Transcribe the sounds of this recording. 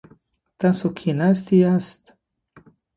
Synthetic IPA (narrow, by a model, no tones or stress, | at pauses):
t̪asokʰinast̪iast̪